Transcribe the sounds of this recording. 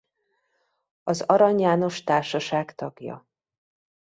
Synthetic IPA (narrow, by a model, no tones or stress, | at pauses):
ɒzɒɾɒɲjaːno̞ʃt̪aːrʃɒʃaːɡt̪ɒɡjɒ̰